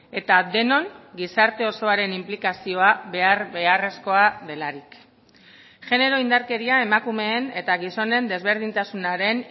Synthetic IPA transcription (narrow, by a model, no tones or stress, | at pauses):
e̞t̪ad̪e̞no̞ŋɡisaɾt̪e̞o̞so̞aɾe̞nimplikasio̞aβe̞aɾβe̞are̞sko̞aðe̞laɾik | ʝe̞ne̞ɾo̞ind̪aɾke̞ɾiaemakume̞ːne̞t̪aɣiso̞ne̞nd̪e̞zβ̞e̞ɾð̞int̪asunaɾe̞n